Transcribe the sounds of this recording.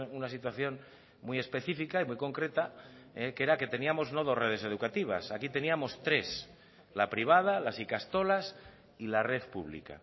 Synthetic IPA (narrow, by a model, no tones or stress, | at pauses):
unasit̪waθjo̞n | muje̞spe̞θifikaimujko̞ŋkɾe̞t̪a | eke̞ɾake̞t̪e̞niamo̞zno̞ð̞o̞sreð̞e̞se̞ð̞ukat̪iβ̞a̰sakit̪e̞niamo̞st̪ɾe̞s | lapɾiβ̞að̞alasikast̪o̞las | ilare̞ðpṵβ̞lḭka̰